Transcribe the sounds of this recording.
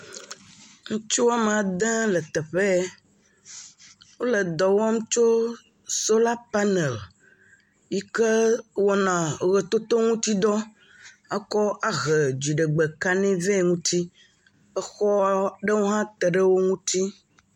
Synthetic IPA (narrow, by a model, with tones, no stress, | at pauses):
ŋũ˦t͡ʃo˦a˨me˨a˨d̪ɛ̃˦lə˨t̪ɛ˨ɸɛ˦ | wo˦lə˨d̪ɔ˨wɔ˦mũ˦t͡ʃo˦ | so˦la˦pa˦nɛ˨l | ji˦ke˦wɔ˦nã˨ɣɛ˨t̪o˦t̪o˦ŋũ˦t̪i˦d̪ɔ˦ | ə˦kɔ˦a˨ɣɛ˨d͡ʒi˨ɖe˨ɡ͡be˨ka˦nɛ̃˦vɛ˦˨ŋũ˦t̪i˦ | ə˦xɔ˦ɖe˦wo˦ɦã˦t̪ɛ˨ɖə˦wo˦ŋũ˦t̪i˦